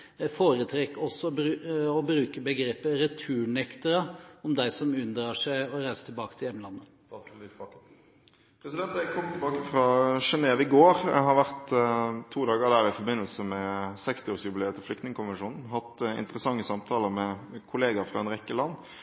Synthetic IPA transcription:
foːɾət̪ʰɾɛkːɔsɔɔbɾʉːkəbəɡɾeːpːəɾɛt̪ʰʉːɳɛkt̪əɾəɔmd̪æɪsɔmʉnd̪ɾɑːʂæɪɔɾæɪsət̪ʰɪlbɑːkə̥t̪ʰɪjɛmːəlɑnːə | pʰɾɛsɪd̪ɛnt̪ækʰɔmt̪ʰɪbɑːkəfʁɑʃɛneːʋɪɡoːɾhɑɾʋæʁt̪t̪ʰuːd̪ɑːɡəd̪æɾɪfɔbɪnːəlsəmɛsɛkst̪ɪoːɾsjʉbɪleːt̪ʰɪflʏkt̪nɪŋəkʰʊnʋənʂuːnn̩ɦɑt̪ɪ̰nt̪əɾəsɑŋːəsɑmt̪ʰɑːləɾmɛkʰʊleːɡɑfʁɑɛnʁɛkːəlɑnː

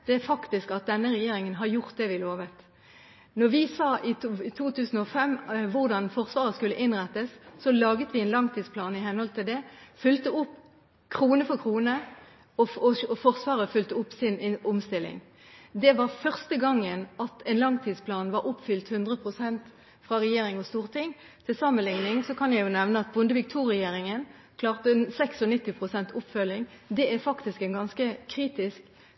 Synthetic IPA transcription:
d̪̥ɛæfɑkt̪ɪskɑt̪̚d̪ɛnːəʁɛjeːɾɪŋənɦɑɾjʊʁt̪̚d̪ɛʋɪloːʋət̪ | nɔʋɪsɑːʔɪt̪ʰuːt̪ʰʉːsn̩ɔfɛmːʋʊʁd̪ɑnfɔʁsʋɑːʁəskʉlːəʔɪnʁæt̪ːəsːɔlɑːɡət̪ʋɪɛnlɑŋt̪ʰiːd̪spʰlɑːnɪɦɛnəhɔlt̪ɪld̪ɛfʏlt̪əʊpː | kʰʁuːnəfɔkʰʁuːnə | ɔɔfɔʁsʋɑːʁəfʏlt̪əʊpːsɪnʊmst̪ɪlːɪ̰ŋ | d̪ɛʋɑʁfœʁst̪əɡɑŋːənɑt̪ʰɛnlɑŋt̪ʰiːd̪spʰlɑːnʋɑɾʊpfʏlt̪hʉnd̪ʁəpʰʁʊsɛnt̪ | fʁɑʁɛjeːɾɪŋɔst̪uːʁt̪ʰɪŋ | t̪ʰɪlsɑmənlɪŋnɪŋsɔkʰɑnjæɪjʊnɛʋnəɑt̪̚bʊnd̪əʋɪk̚t̪ʰuːʁɛjeːɾɪŋən | kʰlɑːʁt̪əɛnsɛksɔnɪt̪ːɪpʰʁʊsɛnt̪ʰʊpfœlːɪŋd̪ɛʔæfɑkt̪ɪskɛnɡɑnskəkʰʁiːt̪ɪsk

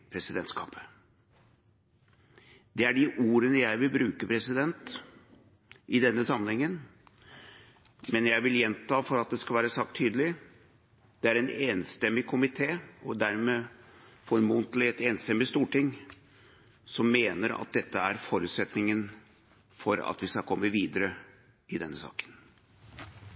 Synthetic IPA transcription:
pʰɾɛsɪd̪ɛnt̪skʰɑ̰ːpə̥ | d̪ɛæɖɪʔuːɾənəjæɪʋɪlbɾʉːkəpʰɾɛsɪd̪ɛnt̪ | ʔɪd̪ɛnːəsɑmənhɛŋːən | mɛnjæɪʋɪljɛnt̪ʰɑːfɔɾɑt̪̚d̪ɛskɑlʋæːɾəsɑk̚t̪ʰːyːd̪əlɪ | d̪̥ɛæɾɛneːnst̪ɛmːɪkʰʊmɪt̪ʰeːɔd̪æɾmeːfɔɾɾmunt̪lɪɛt̪eːnst̪ɛmːɪst̪uːʈɪŋ | sɔmːeːnəɾɑ̰t̪̚d̪ɛt̪ːəæɾfɔɾʉːt̪sɛt̪nɪŋən | fɔɾɑ̰t̪ʋɪskɑlkʰɔmːəʋiːd̪əɾə | ɪd̪ɛnːəsɑ̰ːkə̥n

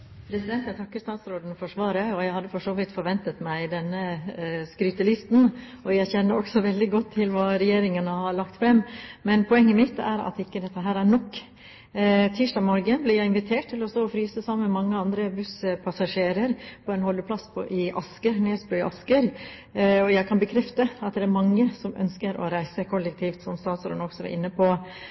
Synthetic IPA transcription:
pʰɾɛsɪd̪ɛnt̪jæɪt̪ɑkːəɾst̪ɑːt̪sɾoːd̪n̩fɔʂʋɑːɾəɔjæɪhɑd̪ːəfɔʂoːʋɪt̪fɔɾʋɛnt̪ət̪mæɪd̪ɛnːəskɾyːt̪əlɪst̪n̩ | ɔjæɪçɛnːəɾɔɡsɔʋɛld̪ɪɡɔt̪ʰːɪlʋɑːɾɛjeːɾɪŋənəhɑɭɑkt̪fɾɛmːmɛnpʰɔɛŋːəmɪt̪ːæ̰ɾɑ̰t̪ɪkːəd̪ɛt̪ːəɦæːɾæɾɳɔkː | t̪ʰiːʂʈɑːɡmɔɾɡəblɪɾjæɪɪnʋɪt̪ʰeːʈ̚t̪ʰɪlɔst̪oːɔfɾyːsəsɑmːəmɛmɑŋːəɑnd̪ɾəbʉspʰɑsɑʂeːɾəɾpʰɔɛnhɔlːəpʰlɑsːpʰɔ̰ʔɪʔɑ̰skəɾneːsbɾʉːɪʔɑskəɾ | ɔjæɪkʰɑnbəkʰɾɛft̪əɑt̪̚d̪ɛæɾmɑŋːəsɔmœ̰nskəɾɔ̰ɾæɪsəkʰɔlːək̚t̪ʰiːft̪sɔmst̪ɑːt̪sɾɔ̰nɔksɔʋɛ̰ɾʔɪ̰nːəpʰo

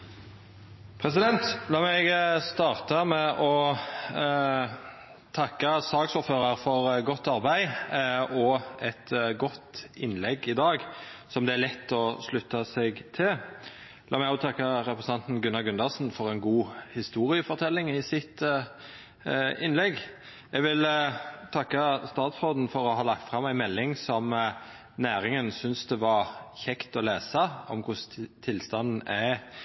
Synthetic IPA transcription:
pʰɾɛsɪd̪ɛnt̪lɑːmɛɡst̪ɑːʁt̪ɑmɛʔɔ | t̪ʰɑkːəsɑːɡsʊːɾføːɾɑɾfɔɾɡɔt̪ːɑɾbæɪ | ɔɛt̪ɡɔt̪ɪnlɛɡːɪd̪ɑːɡsɔmd̪ɛælɛt̪ːɔslʉt̪ːɑsɛɡt̪ʰɪl | lɑ̰ːmɛɪɡɔʊt̪ʰɑkːəɾɛpɾəsnɑnt̪nɡʉnːɑɡʉnɑsn̩fɔɾɛnɡuːhɪst̪uːɾɪəfɔʁt̪ʰɛlːɪŋɪsɪt̪ | ɪnlɛɡ | ɛɡʋɪlt̪ʰɑkːɑst̪ɑːt̪sʁoːd̪n̩fɔɾɔɦɑːlɑk̚t̪fʁɑmæɪnmɛlːɪŋsɔm | næːɾɪŋənsʏnsd̪ɛʋɑʁçɛkt̪ɔleːsɑɔ̰mkʰʊst̪ʰɪlst̪ɑnn̩æ

